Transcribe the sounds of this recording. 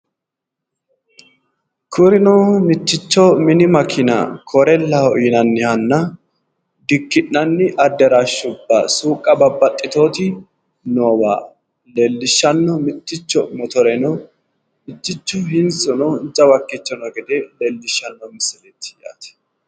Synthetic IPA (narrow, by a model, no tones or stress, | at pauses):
kʰʊɾɪnɔːmɪt̪ːɪt͡ʃːɔmɪnɪmɐkʰɪnɐ̰kʰɔɾɛlːɐhɔjɪnɐnːɪhɐnːɐ | d̪ɪkːɪnːɐnːɪʔɐd̪ːɛɾaʃːʊbːɐ̰suːkʼːɐbɐbːɐt̪ʼːɪt̪oːt̪ɪ | noːwa̰ː | leːlːɪʃːɐnːɔmɪt̪ːɪt͡ʃːɔmɔt̪ɔɾɛnɔ | mɪt̪ːɪt͡ʃːɔhɪnsʼʊnɔnd͡ʒɐwɐkːɪt͡ʃːɔnɔɡɛd̪ɛleːlːɪʃːɐnːɔmɪsɪlɛt̪ːɪ̥ja̰ːt̪ɛ̥